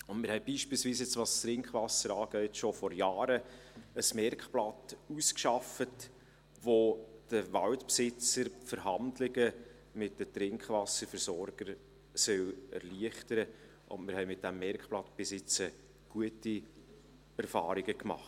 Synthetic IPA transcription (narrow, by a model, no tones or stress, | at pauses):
ʊnmɪɾhɛɪbiːʃpiːlsviːsjɛt͡sʋɑstɾɪŋkχʋɑsəɾɑːɡ̥œʏtʃofɔɾjɑːɾəəsmɛrkχplɑtuskʃɑfət | ʋod̥əʋɑltpsɪt͡səɾfəɾɦɑndlɪɡə | mɪt̚dətɾɪŋkχʋɑsəɾfəɾsɔɾɡ̥əɾ | sœlɛ̰ɾliəχtəɾə | ʊ̰ntmɪɾhɛɪmɪt̚d̥æmːɛɾkχplɑtb̥ɪsɪt͡sə | ɡ̥uəti | ɛɾfɑ̰ːɾɪɡəkmɑ̰χt